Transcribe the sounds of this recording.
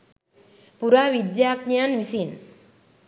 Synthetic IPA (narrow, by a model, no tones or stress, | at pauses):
puɾaʋid̪jakɲanʋisin